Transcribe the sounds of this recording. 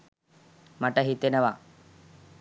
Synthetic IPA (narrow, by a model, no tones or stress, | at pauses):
mɐʈəɦit̪enəʋa